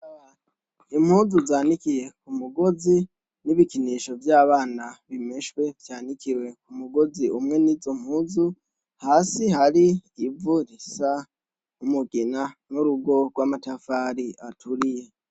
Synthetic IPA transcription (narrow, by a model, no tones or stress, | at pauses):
im̥huːzuzaːnikije̞kumuɡo̞zi | niβikiniʃo̞vjaːβaːnaβimeʃwe̞vjaːnikʰiwe̞kumuɡo̞ziumŋe̞nizo̞m̥huːzu | haːsihaɾiːvuɾisa | umuɡinanuɾuɡo̞ɡwaːmatafaɾiatʰuɾije̞